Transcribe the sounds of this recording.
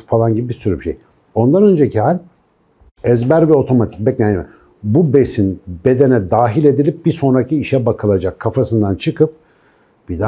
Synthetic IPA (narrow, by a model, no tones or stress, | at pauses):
falˠanɟibibiɾsyɾybiʃḛj | o̞nd̪anø̞nd͡ʒecʰiɦalʲ | ɛzbæɾvɛo̞t̪ʰo̞mat̪ʰi̥c̚bɛcnʲanmɛ̰ | bube̞sinbe̞d̪e̞nɛd̪aːɦilʲe̞d̪ilʲip̚biso̞nɾacʰiːʃɛbakʰɯlˠad͡ʒakʰːafasɯnd̪ant͡ʃʰɯkɯp̚ | b̥id̪a